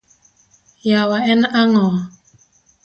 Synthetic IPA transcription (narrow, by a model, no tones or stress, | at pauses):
jawaɛnʔaŋɔa